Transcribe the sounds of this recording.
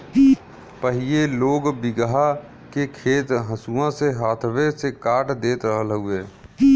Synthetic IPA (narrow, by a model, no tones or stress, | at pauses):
pəɦieloːɡbɪɡɦa | kekʰeːt̪ɦəsuãseɦaːt̪ʰwesekaːʈʰd̪eːt̪ɾəɦəlɦʊeː